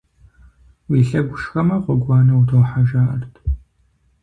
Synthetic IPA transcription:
wiːɬɐɡʷʊʃxɐmɐqʷɔɡʷɑːnɐwtʰowħaʒaːʔɐ̰rtʰ

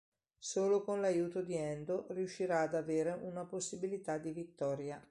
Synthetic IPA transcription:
soːlokonlajuːt̪od̪iɛnd̪oriuʃːiɾaːd̪aveːɾeʔunaposːibilit̪ad̪ivit̪ːɔːɾja

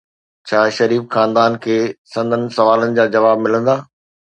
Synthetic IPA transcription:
t͡ɕʰaːʃɐɾiːfxãːnd̪aːnkʰeːsɐ̃nd̪ʱənɪ̆sɐʋaːlənɪ̆d͡ʑaːd͡ʑɐʋaːb̚mɪlə̃nd̪aː

